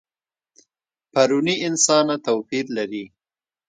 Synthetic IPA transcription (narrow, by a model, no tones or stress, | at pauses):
paɾuniɪnsɑnat̪awpiɾlaɾi